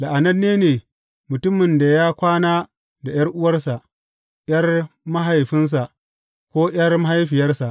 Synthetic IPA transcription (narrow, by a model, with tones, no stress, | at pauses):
la˨ʔa˨nɐ˦nːeː˦neː˨ | mʊ˨tʊ˦mɪ˨nda˨jaː˦kʷaː˦naː˦ | da˨j̰ɐ˦rʔʊ˦wɐ˦rsa˨ʔ | j̰ɐ˦rma˦ɦa˨jɸɪ˦ns̬a˨ʔ | kʷoː˦j̰ɐ˦rma˦ɦa˦jɸɪ˨jɐ˦rsa˨ʔ